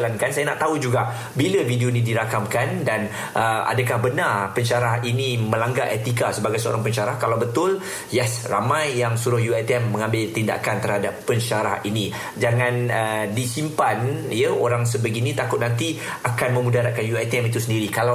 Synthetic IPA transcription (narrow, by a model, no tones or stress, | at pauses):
lankansajanaʔt̪aud͡ʒuɡaʔ | biləvidionĩdiɾakamkandan | ʔəʔa̰dəkahbənarpəɲt͡ʃaɾaɦinimə̃laŋɡaʔɛt̪ikasəbaɡajsəo̰ɾaŋpəɲt͡ʃaɾahkalawbət̪ʊl | jɛsramãjːaŋsuɾʊhjuɛt̪iɛmːə̃ŋãmbɪlt̪inda̰kant̪ərhadapːəɲʃaɾahini | d͡ʒaŋãnədisimpanjəo̰ɾaŋs̬əbəɡinĩt̪akʊt̪̚nãnt̪i | akanmə̃mũdaɾaʔ̚kanjuɛt̪iɛmit̪usəndiɾikala